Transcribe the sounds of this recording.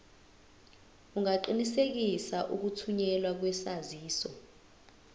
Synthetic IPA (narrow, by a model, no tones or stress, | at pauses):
uŋaǃinisek̬isaʔuk̬utʰuɲɛlwak̬wɛsaziːsɔ